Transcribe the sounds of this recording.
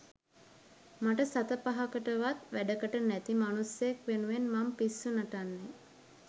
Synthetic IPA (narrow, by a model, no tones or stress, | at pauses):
maʈəsat̪əpaɦakəʈəʋat̪ʋæɖəkəʈənæt̪imanusjekʋenuʋenmampisːunaʈanːe